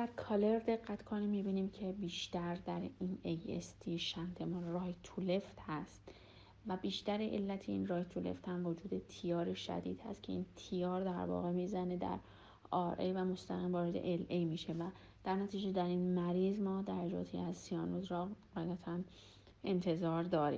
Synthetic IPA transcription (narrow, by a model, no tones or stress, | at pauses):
d̪æɾkʰɒːle̞ɾd̪e̞ɡːæt̪kʰoniːmːibiːniːmcʰe̞biːʃt̪æɾd̪æɾinejḛst̪ʰiːʃænt̪ʰemɒrɒːjt̪ʰule̞ft̪hæst̪ | væbiːʃt̪æɾeʔḛlːæt̪ʰeinrɒːjt̪ʰulḛft̪hæmvo̞d͡ʒuːd̪e̞t̪ʰijɒːɾeʃæ̰d̪ḭːd̪hæ̰st̪cʰe̞int̪ʰijɒːɾd̪æɾvɒ̰ːɣe̞miːzæne̞d̪æ̰ɾ | ʔɒɾʔejvæmo̞st̪æɣiːmvɒːɾe̞d̪e̞̰ʔelʔejmiːʃevæ | d̪̥æɾnæt̪ʰiːd͡ʒe̞d̪æɾinmæɾiːzmɒːd̪æɾæd͡ʒɒ̰ːt̪ʰḭæzsiɒːnozɾɒɢæjæt̪ʰæn | e̞nt̪ʰe̞zɒːɾd̪ɒːɾḭːm